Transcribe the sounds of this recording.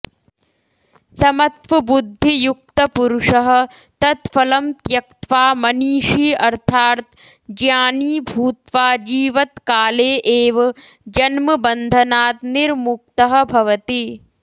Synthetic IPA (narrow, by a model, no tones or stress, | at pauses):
sɐmɐt̪ʋɐbud̪ʱːijuk̚t̪ɐpuɾuʂɐɦɐ̆ | t̪ɐt̪fɐlɐmt̪jɐkt̪ʋaːmɐniːʃiːɐɾt̪ʰaːɾt̪ | d͡ʒjaːniːbʱuːt̪ʋaːd͡ʒiːʋɐt̪kaːleːʔeːʋɐd͡ʒɐnmɐbɐnd̪ʱɐnaːt̪niɾmuk̚t̪ɐɦɐ̆bʱɐʋɐt̪i